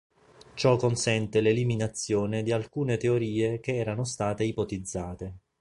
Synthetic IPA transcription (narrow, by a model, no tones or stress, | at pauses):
t͡ʃɔkːonsɛnt̪eleliminat̪sːjoːned̪ialkuːnet̪eoɾiːekeɛːɾanost̪aːt̪eipot̪id̪zːaːt̪e